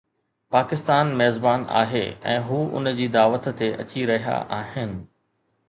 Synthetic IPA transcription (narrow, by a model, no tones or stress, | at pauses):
paːkɪst̪aːnmɛːzbaːna̰ːɦḛɛ̰̃ːɦuːʊ̰nd͡ʑiːd̪aːʋət̪ːeʔɐ̰t͡ɕiɾɐɦija̰ʔaːɦɪnɪ̆